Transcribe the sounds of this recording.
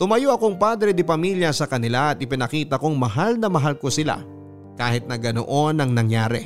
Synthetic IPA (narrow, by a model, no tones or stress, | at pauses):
t̪ʊmɐjoʔɐkoŋpaːd̪ɾɛd̪ɪpɐmiljɐsɐkɐnɪlaɐt̪ʔɪpɪnɐkiːt̪ɐkoŋmɐɦalnɐmɐɦalko̞sɪla̰ | kaːhɪt̪̚nɐɡɐno̰ʔo̞nɐŋnɐŋjaːɾɛ̰